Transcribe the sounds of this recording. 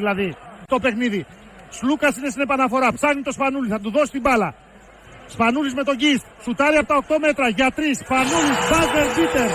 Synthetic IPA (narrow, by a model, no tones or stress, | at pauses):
ilɐðit̪o̞pe̞xniði | slukɐsinesinepɐnɐfo̞ɾɐpsɐɣnit̪o̞spɐnuliθɐt̪̬uðo̞sist̪ibɐlɐ | spɐnulizme̞t̪o̞ɟis | sut̪ɐɾiɐpot̪ɐo̞k̚t̪o̞me̞t̪ɾɐʝɐt̪ɾisfɐnulizbɐzeɾt̪it̪eɾ